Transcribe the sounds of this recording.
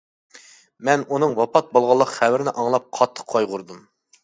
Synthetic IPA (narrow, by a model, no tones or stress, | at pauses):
mɛnunɨŋwɑpʰɑt̪̚bolˠʁɑlˠːəqχɛwɪɾɪnɪʔɑŋlˠɑp̚qʰɑt̪ʰːə̥qqʰːɑjʁʊɾd̪um